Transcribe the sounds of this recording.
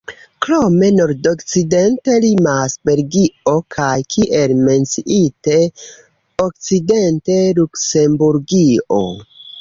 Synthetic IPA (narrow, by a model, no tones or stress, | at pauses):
kɾo̞me̞no̞ɾdokt͡side̞nte̞limasbe̞ɾɡio̞kʰajkʰiʔe̞lme̞nt͡siʔite̞ | ok̚t͡side̞nte̞lukse̞mbuɾɡio̞̰